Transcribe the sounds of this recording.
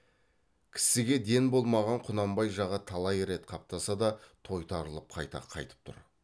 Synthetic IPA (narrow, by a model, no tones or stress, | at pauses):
kʲʰɪ̥sɪɡʲe̞d̪e̞nbo̞lˠmɑʁɑɴqʰʊnɑmbɑjʒɑʁɑt̪ʰɑlˠɑjɾe̞t̪qʰɑp̚t̪ɑsɑd̪ɑt̪ʰo̞jt̪ʰɑɾəlˠəp̚qʰɑjt̪ɑ̰qʰɑ̰jt̪ə̥p̚t̪ʰʊ̰ɾ